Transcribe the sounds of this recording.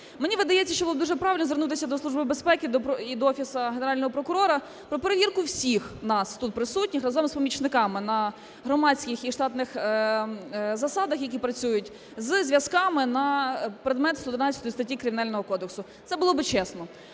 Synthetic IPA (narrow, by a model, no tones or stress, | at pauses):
menʲiʋɪd̪ɐjɛt͡sʲːɐʃt͡ʃɔblɔbd̪uʒɛpɾɑʋʲɪlʲnɔzʋernut̪ɪsʲɐd̪ɔslˠuʒbɪbespɛkɪd̪ɔpɔid̪ɔɔfʲisɐɦeneɾɑlʲnɔɦɔpɾɔkʊɾɔɾɐ | pɾɔpeɾeʋʲirkʊwsʲixnɑst̪ut̪̚pɾɪsutʲnʲixrɐzɔmspɔmʲit͡ʃnɪkɑmɪnɐ | ɦɾɔmɑt͡sʲkɪxiʃt̪ɑt̪nɪx | zɐsɑd̪ɐxjɐk̬ʲipɾɐt͡sʲujʊtʲ | zzʲʋʲjɐskɑmɪnɐpɾed̪mɛt̪st̪ɔd̪ɪnɑt͡sʲːɐt̪ɔjist̪ɐtʲːikɾɪmʲɪnɑlʲnɔɦɔkɔd̪eksʊ | t̪ɛbʊlˠɔbɪt͡ʃɛsnɔ